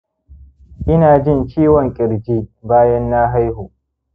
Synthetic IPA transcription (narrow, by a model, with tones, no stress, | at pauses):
ʔɪ˦naː˨d͡ʒɪ˦˨nt͡ʃiː˦wɔ˨ŋkʲʼɪ˨ɾd͡ʒiː˦baː˦jɐ˦nːa˦ɦa˦jɦuː˨ʔ